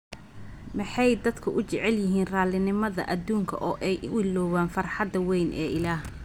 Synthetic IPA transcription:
mɪħɑjd̪ɐd̪kʰʊʔʊt͡ʃɛʕɛljɪɦiːnraːlɪnɪmɐðɐ̰ʔɐd̪uːŋkʰɐ̰ʔɔːʔɛjʊɪlɔːwaːnfɐrħɑd̪ɐwɛjnʔɛ̰ːʔɪlaːh

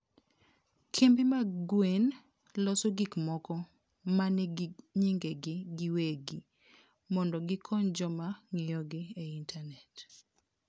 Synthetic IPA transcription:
kʰembɪmaɡwen | lɔsoɡikmɔkɔ | manɛɡɲiŋɡeɡɪɡɪweɡi | mɔndɔɡɪkʰɔnd͡ʒɔmaŋɪjɔɡɪeintʰanɛt

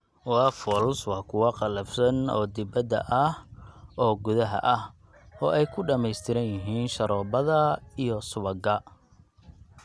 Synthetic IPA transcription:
wɑfɔːlswɑːkʰʊwɑqɑlɐfsɐnɔ̰ːd̪ɪbɐd̪ɐ̰ʔɐhʔɔːɡʊðɐɦɐ̰ʔɐh | ɔːʔɛjkʰʊɖɐmɛjst̪ʰɪɾɐnjɪɦiːnʃɐɾɔːbɐðɐijɔsʊβɐɡɐ

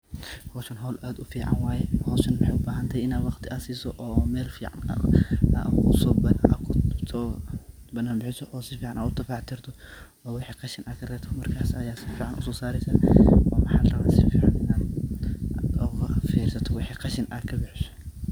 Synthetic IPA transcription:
hɔːʃɐnɦɔːlʔaːd̪ʊfiːʕa̰nwaːjɛhɔːʃɐnmɐħɛjʊbaːɦɐnt̪ʰɐjɪnaːd̪wɑqt̪ʰɪʔasiːsɔʔɔːmɛːlfiːʕa̰n̰ | kkʊsɔːbkʰsɔ | bɐnːaːnbɪħɪsɔʔɔːsɪfiːʕanʔa̰ːd̪ʊd̪ɐfaːʕt̪ʰɪɾt̪ʰɔ | ɔːwɪħiːqɑʃɪnʔakʰɐrɛːt̪ʰɔmɐrkʰaːsɐjaːsɪfiːʕanʊ̰sɔːsaːɾɛsɐɔːmɐħaːlrɐβaːsɪfiːʕa̰nɪnaːd̪ | d̪ɔɣɐfiːɾsɐt̪ʰɔwɪħiːqɑʃɪnʔa̰kʰɐbɪħɪsɔ̥

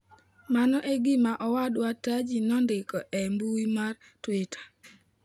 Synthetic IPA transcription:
manɔʔɛɡɪmaʔɔwadwatad͡ʒinɔndɪkɔʔɛmbuimar | twetʰḁ

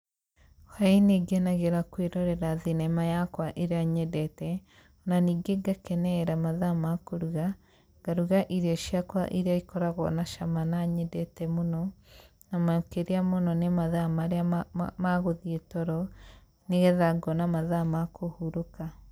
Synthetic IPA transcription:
haineɡenaɣeɾakweɾɔɾɛɾaðinɛmajakwaʔeɾeaɲɛdɛtɛ | onaniːɡeɡakɛnɛɾamaðamakoɾuɣa | ɡ̥aɾuɣaʔiɾeɔʃiakwa̰ʔiɾeaikɔɾaɣɔ̰naʃamanaɲɛdɛtɛmonɔ | namakeɾeamonɔnemaðamaɾeamaɣoðietɔɾɔ | neɣɛðaɡɔnamaðamakohuɾoka

